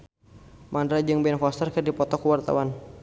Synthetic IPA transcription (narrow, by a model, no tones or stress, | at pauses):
mandɾad͡ʒɨŋbɛnfɔst̪ərkɨrdipɔt̪ɔkuwart̪a̰wan